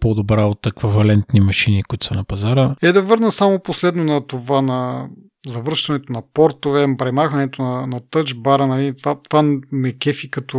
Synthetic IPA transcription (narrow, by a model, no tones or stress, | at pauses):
pod̪obɾaot̪ɛkvəvɐlɛnt̪nimɐʃinikuit̪u̥sɐnɐpɐzaɾəɛd̪ɐvɤɾnəsamoposlɛd̪nonɐt̪ovanɐ | zɐvɤɾʃt̪ɐnɛt̪onɐpɔɾt̪ovɛpɾɛmaxɐnɛt̪onɐnɐt̪ɤt͡ʃbaɾənɐlit̪vat̪vamɛkɛfikɐt̪o